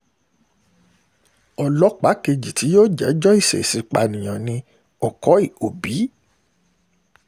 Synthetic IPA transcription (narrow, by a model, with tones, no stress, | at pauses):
ɔ˨lɔ˨˦k͡pa˨˦ke˧d͡ʒi˨ti˨˦joː˦d͡ʒɛ˨˦d͡ʒɔ˦i˦˨sḛ˨si˨˦k͡pa̰˧nĩ˨j̃ã˨nĩ˧ | ɔ˨kɔ˨˦i˦˨o˨bi˨˦